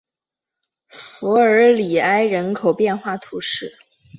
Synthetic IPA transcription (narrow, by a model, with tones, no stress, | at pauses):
fu˧˥ə˞˧˥li˨˩a˥ɪɻə˧˥nkʰo˨˩ʊpjɛ˥˧nxwa˥˩t̪ʰu˧˥ʂɻ̩˥˩